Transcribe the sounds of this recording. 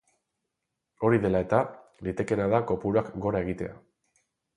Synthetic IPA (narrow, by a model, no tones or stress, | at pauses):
o̞ɾiðe̞lae̞t̪alit̪e̞ke̞naðako̞puɾoakɡo̞ɾae̞ɣ̞it̪e̞a̰